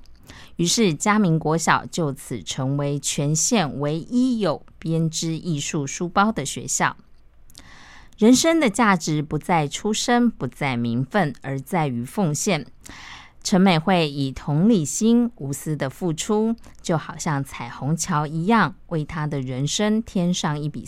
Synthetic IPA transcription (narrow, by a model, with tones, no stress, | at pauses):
y˧˥ʂɻ̩˥˩t͡ɕja˥mi˧˥ŋkwɔ˧˥ɕjɑ˨˩ʊt͡ɕjo˥˩ʊt͡s̩ʰ˨˩ʈ͡ʂʰɤ˧˥ŋwe˧˥ɪt͡ɕʰɥɛ˧˥nɕjɛ˥˩nwe˧˥ɪʔi˥jo˨˩ʊpjɛ˥nʈ͡ʂɻ̩˥ʔi˥˧ʂu˥˩ʂu˥pɑ˥ʊd̪ə˨ɕɥɛ̰˧˥ɕjɑ˥˩ʊ | ɻə˧˥nʂə˥ŋd̪ə˨t͡ɕja˥˩ʈ͡ʂɻ̩˧˥˦pu˧˥t͡sa˥˩ɪʈ͡ʂʰu˥ʂə˥npu˧˥t͡sa˥˩ɪmi˧˥nfə˥˩nə˞˧˥t͡sa˥˩ɪy˧˥fʊ˥˧ŋɕjɛ˥˩n | ʈ͡ʂʰə˧˥nme˨˩ɪxwe˥˩ɪi˨˩t̪ʰʊ˧˥ŋli˥˨˩ɕi˥nu˧˥sɹ̩˥d̪ə˨fu˥˩ʈ͡ʂʰu˥ | t͡ɕjo˥˩ʊxɑ˨˩ʊɕjɑ˥˩ŋt͡sʰa˨˩ɪxʊ˧˥ŋt͡ɕʰjɑ˧˥ʊi˧˥jɑ˥˧ŋwʔe˥˩ɪt̪ʰa˥d̪ə˨ɻə˧˦˥nʂə˥ŋt̪ʰjɛ˥nʂɑ˥˧ŋi˥˩pḭ˨˩